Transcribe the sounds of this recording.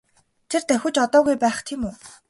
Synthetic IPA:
t̪ʰert̪æxʲʊ̆t͡ɕɔt̪ɔːɣujpæːχt̪ʰiːmuː

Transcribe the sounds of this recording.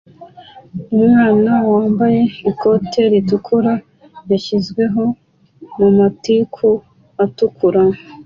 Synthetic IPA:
umŋaːnawaːmbaje̞iko̞tʰeɾitukʰuɾa | jaçizɡwe̞ɦo̞ | mumatikʰu | atukʰuɾa

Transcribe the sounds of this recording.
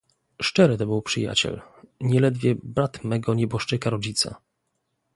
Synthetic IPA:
ʂt͡ʂɛɾɘt̪ɔbɘwpʂɘja̰t͡ɕɛ̰lɲɛlɛd̪vʲjɛbɾat̪mɛɡɔɲɛbɔʂt͡ʂɘkaɾɔd͡ʑit̪sa̰

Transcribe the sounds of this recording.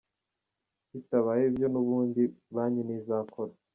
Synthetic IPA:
itaβajibjo̞nuβuːndiβaɲinizaːkʰoɾa

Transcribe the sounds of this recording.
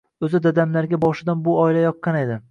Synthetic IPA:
ɵzɪd̪ad̪amlaɾɡʲabɒʃɪd̪anbʊɒɪlajɒqʰːɑne̞d̪ɪ

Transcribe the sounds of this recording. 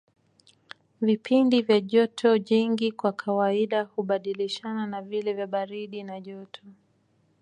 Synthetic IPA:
vipʰindivjaʄɔtʰɔɲiŋɡikwakʰawaiɗahuɓaɗiliʃananavilɛvjaɓaɾiɗinaʄɔtʰɔ

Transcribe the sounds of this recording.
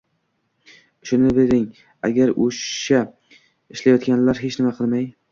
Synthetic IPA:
ʃʊnɪbeɾɪŋ | a̰ɡʲaɾoʃa | ɪʃlajɒt̪kʲanlaɾɦet͡ʃnɪmaqʰɨlˠmaj

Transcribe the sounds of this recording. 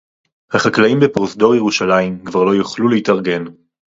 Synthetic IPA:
haχaklaimbepʁosd̪o̞ʁjeʁuʃalaimkvaʁlo̞juχluleitɐʁɡe̞n

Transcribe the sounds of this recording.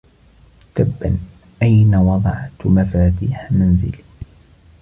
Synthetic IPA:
t̪abːan | ʔajnawɑd̪ˤɑʕt̪mafaːt̪iːħananzɪ̰l

